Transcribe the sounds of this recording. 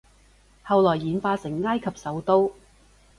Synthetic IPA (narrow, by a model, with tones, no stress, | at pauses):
hɐ˨wlɔː˨˩jːiː˨˥nfaː˧sɪ˨˩ŋːaː˥jkʰɐ˨p̚sɐ˨˥wt̪o˥w